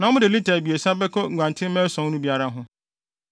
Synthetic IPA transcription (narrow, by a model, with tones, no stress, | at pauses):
nã˨˦mʊ̃˦dɪ˨li˦tʰa˨bi˨e˨sa˦bɛ˦kʰɔ˦˨ŋ̩˨ɡʷã˨ntʰɪ̃˦mɛ̃˦sɔ̃˨˦nũ˦bi˦a˦ɾa˦ɦʊ̃˦